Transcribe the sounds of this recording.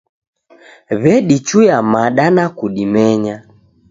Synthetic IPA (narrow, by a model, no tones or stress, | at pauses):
βɛɗit͡ʃujamaɗanakuɗimɛɲa